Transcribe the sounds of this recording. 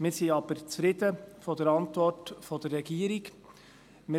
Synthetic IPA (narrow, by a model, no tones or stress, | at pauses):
mɪːsiɑb̥əɾt͡sfɾɪd̪əfɔd̥əɾɑntvɔrtfɔdərːɛɡiːəɾɪɡ | mɪ